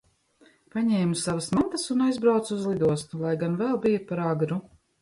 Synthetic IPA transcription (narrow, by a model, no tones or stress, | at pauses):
paɲɛːmusavasmant̪asunajzbɾawt̪suzlˠid̪uɔst̪ulˠajɡanvɛlˠbijapaɾaɡɾu